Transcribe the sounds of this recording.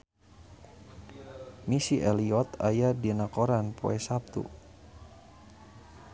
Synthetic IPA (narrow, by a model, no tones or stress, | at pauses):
misiʔɛliɔt̪ajadinakoɾanpo̰ɛsap̚t̪ṵ